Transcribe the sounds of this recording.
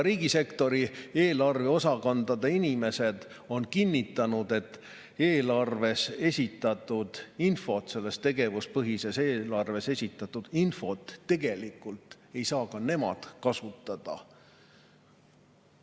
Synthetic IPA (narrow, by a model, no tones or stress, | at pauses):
ɾiːɡ̥ise̞kt̪o̞ɾie̞ːlɑrve̞o̞sɑkɑnd̪ɑd̪einime̞se̞d̪̥ | o̞nkinʲːit̪ːˑɑnud̪̥e̞t̪ː | e̞ːlɑrve̞se̞sʲit̪ːˑɑt̪ːˑud̪̥info̞t̪se̞lːe̞st̪e̞ɡe̞vuspɤɦise̞seːlɑrve̞se̞sʲit̪ːˑɑt̪ːˑud̪̥info̞t̪ːe̞ɡ̥e̞likːˑult̪ | e̞jsɑːkɑne̞mɑ̰d̪̥kɑsut̪ːˑɑd̪̥ɑ̰